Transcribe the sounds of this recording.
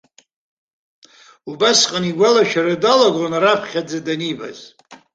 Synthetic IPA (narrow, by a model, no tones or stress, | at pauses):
ubasqʼaniɡʷalaʃᶣaɾadalaɡʷonaɾapʰχʲad͡zadaniba̰z